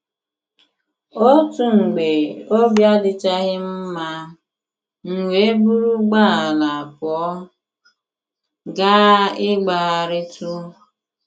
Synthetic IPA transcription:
o˦tu˨ŋ͡m̩˨ɡ͡be˨o˦bja˦dɪ˦t͡ʃa˦ɣɪ˦m̩˦ma˦ | ŋ̩˨wʷe˨˦bu˦ɾu˦ɡ͡ba˦a˨la˨a˨kɔ˨˦ | ɡa˦ɪ˦ɡ͡ba˨a˨ɾɪ˦tu˦

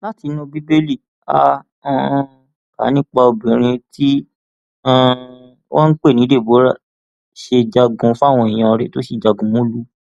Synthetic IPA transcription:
la˦ti˨˧˦nũ˦bi˦be˦li˦˨ | ã˦˨ | ka̰˨˦nĩ˦k͡pa˧o˧bĩ˨ɾ̃ĩ˧ti˦ | ã˦˨˦ | wã˦n̩˦k͡pe˦˨nĩ˨˦de˦˨bo˨˦ɾa˦˨ | ʃe˧d͡ʒa˧ɡũ˧fu˦a˦˨w̃ɔ̃˧˨i˨j̃ã˧ɔ˧ɾɛ˨˦to˦ʃi˦˨d͡ʒa˧ɡũ˧mũ˦lu˦

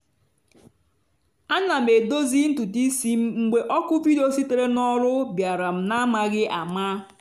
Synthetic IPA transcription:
a˦na˨m̩e˨do˦zi˦n̩˦tu˨ti˦si˦m̩˦ŋ͡m̩˦ɡ͡be˦ʔɔ˦kʊ˦vi˦do˦si˦te˨ɾe˦nɔ˦ɾʊ˦bja˨ɾa˨m̩˨na˦ma˦ɡɪ˦ʔa˨ma˦

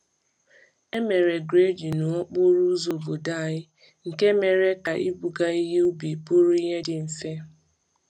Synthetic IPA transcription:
e˦me˨ɾe˨ɡɾe˦d͡ʒi˨nʊ˨ɔ˦k͡pʊ˦ɾu˦zo˨bo˨da˦˨ɲɪ˦ | ŋ̩˨ke˦me˨ɾe˦ka˨ʔi˦bu˨ɡa˦i˦ɦe˦u˦bi˨pʊ˦ɾi˦ɦe˦dɪ˨n̩˨se˦

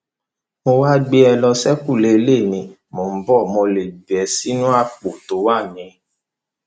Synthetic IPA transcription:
mo˧wa˦ɡ͡be˧ɛ˧lɔ˧sɛ˦ku˦˨le˧˨le˦˨nĩ˨ | mo˨m̩˦bɔ˦˨mo˧le˨ɡ͡bi˨ɛ˨˧si˦nũ˦a˦k͡po˨to˨˦wa˦˨nĩ˨˦

